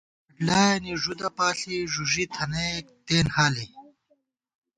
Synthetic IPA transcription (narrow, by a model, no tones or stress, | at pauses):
ʈlaːniʐud̪ɐpaːɬiʐuʐit̪ʰɐnek̚t̪eːnhaːli